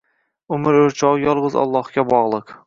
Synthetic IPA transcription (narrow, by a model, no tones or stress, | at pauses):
ʊmɪɾɵɾt͡ʃʰɒʁjɒlˠʁɨzɒ̰lˠːɒhkʲabɒʁlˠɨq